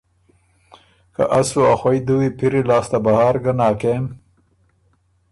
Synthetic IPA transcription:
ka̰ʔasuaxwajd̪uwepiɾilɑːst̪abahɑːɾɡanɑːkem

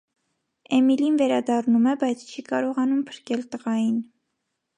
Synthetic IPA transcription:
ɛmilinvɛɾɑd̪ɑrnumɛbɑjt͡sʰt͡ʃʰikɑɾɔʁɑnumpʰə̥ɾkɛlt̪əʁɑjin

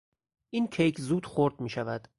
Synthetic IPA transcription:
ʔiːncʰejkʰzuːd̪̥xoɾd̪miːʃævæd̪̥

